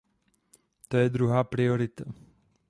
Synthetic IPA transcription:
t̪ojɛd̪ɾuɦaːpɾioɾɪt̪a

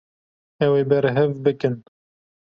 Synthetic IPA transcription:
ɛweːbɛɾɦɛvbɨkɨn

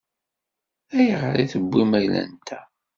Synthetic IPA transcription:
æjʁɾiθəbːimæjlæ̰nt̪ʰæ

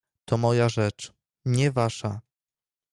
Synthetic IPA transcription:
t̪ʰɔmɔjaʐɛt͡ʂ | ɲɛvaʂa

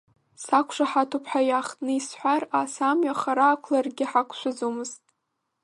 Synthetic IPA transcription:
sakʷʰʂaħatʰupʰħajaχtʼnɨisħʷarasamɥaχaɾaːkʷʰlarɡʲɪħakʷʰʃʷʰazomɨztʼ

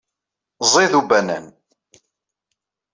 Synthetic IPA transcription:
zˤiðubænæ̰n

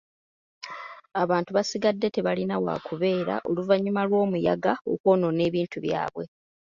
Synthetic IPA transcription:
aβaːntuβasiɡadːe̞te̞βalinawa̰ːkuβe̞ːɾa̰ʔo̞luvaɲːumalwo̞ːmuja̰ɡao̞̰kwo̞ːno̞ne̞ːβiːntuβja̰ːβwe̞

